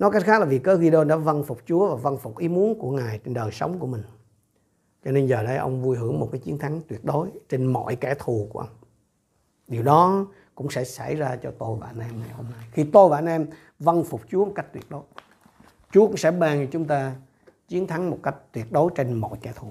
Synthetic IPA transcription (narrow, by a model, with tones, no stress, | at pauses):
nɔ˨˦ka˦˥k̚xaː˦˥k̚laː˨˩vi˨˩kəː˨˦ɣi˧ɗo˧nɗa̰ː˧˥və˧nfʊ˨˩k͡p̚t͡ɕu˨˦əvaː˨˩və˧nfʊ˨˩k͡p̚ʔi˨˦mu˨˦ənku˧˩əŋaː˨˩jt͡ɕe˧nɗəː˨˩jsə˨˦wŋ͡mku˧˩əmï˨˩ŋ̟ | t͡ɕɔ˧ne˧nzəː˨˩lə̰˨˦jʔə˧wŋ͡mvu˧jɦɨ˧˩əŋmo˨˩t̚kaː˨˦jt͡ɕi˨˦ənt̪ʰa˨˦ŋt̪wi˨˩ət̚ɗo˨˦jt͡ɕe˧nmɔ̰˧˨jkɛ˧˩t̪ʰu˨˩ku˧˩əʔə˧wŋ͡m | ɗi˨˩əwɗɔ˨˦ | kʊ̰˧˥ŋ͡msɛ̰˧˥sa̰˧˩jzaː˧t͡ɕɔ˧t̪o˧jɓa̰ː˧˨˩nʔɛ˧mna˨˩jho˧mna˧jxi˧t̪o˧jɓa̰ː˧˨nʔɛ˧m | və˧nfʊ˨˩k͡p̚t͡ɕu˨˦mo˨˩kk̟̚t̪wi˨˩ət̚ɗo˨˦j | t͡ɕu˨˦əkʊ̰˧˥ŋ͡msɛ̰˧˥ɓaː˧˩n˨˩t͡ɕʊ˨˦ŋ͡mt̪aː˧ | t͡ɕi˨˦ənt̪ʰa˨˦ŋmo˨˩t̚ka˦˥jk̚t̪wi˨˩ət̚ɗo˨˦jt͡ɕe˧nmɔ̰˧˨jkɛ˧˩t̪ʰu˨˩